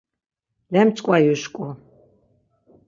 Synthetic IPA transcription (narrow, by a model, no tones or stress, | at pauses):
lɛmt͡sʼkʼwajuʃkʼɔ